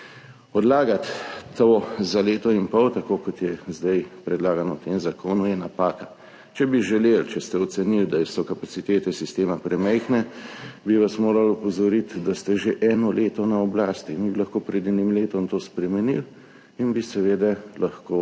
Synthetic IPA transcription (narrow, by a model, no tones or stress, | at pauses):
ɔd̪laːɡat̪ːozaleːt̪ɔinpɔwt̪akoːkɔt̪jɛzd̪ajpɾɛd̪laːɡanɔt̪emzakʰoːnujɛnapaːka | t͡ʃɛbiʒɛlelt͡ʃɛst̪ɛɔt̪sɛniwd̪asɔkapat̪sit̪eːt̪ɛsist̪eːmapɾɛmɛjxnɛbiʋasmoːɾalɔpɔzɔɾit̪d̪ast̪ɛʒeʔɛːnɔlʔeːt̪ɔnaɔblaːst̪inibilɐxkoːpɾɛd̪ɛnimleːt̪ɔmt̪oːspɾɛmɛnḭl | inbisɛʋeːd̪ɛlʔaxkoː